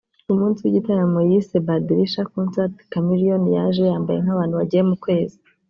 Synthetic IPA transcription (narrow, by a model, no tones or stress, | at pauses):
umuːnsiwiɟitaɾamojisebadiɾiʃakonsaɾtkamiɾijonija̰ʒejaːmbaje̞̰ŋhaβaːn̥huβaɟijemukwe̞ːzi